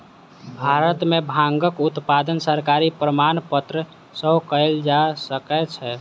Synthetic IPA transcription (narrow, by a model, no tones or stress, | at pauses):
bʱaɾət̪mebʱãŋɡəkut̪pad̪ənsəɾkaɾipɾəmanpət̪ɾə | səɦkəɪld͡ʒasəkɛt͡ʃʰɛ